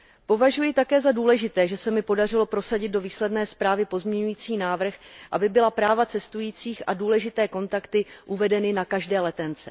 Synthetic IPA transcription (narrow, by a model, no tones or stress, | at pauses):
po̞vaʒujɪt̪akɛːzaduːlɛʒɪt̪ɛːʒɛsɛmɪpo̞dar̝ɪlo̞pɾo̞saɟɪd̪̚do̞viːslɛdnɛːspɾaːvɪpo̞zmɲɛɲujiːt͡siːnaːvr̩xʔabɪbɪlapɾaːvat͡sɛst̪ujiːt͡siːxʔa̰duːlɛʒɪt̪ɛːko̞nt̪akt̪ɪʔuvɛdɛnɪnakaʒdɛːlɛt̪ɛnt͡sɛ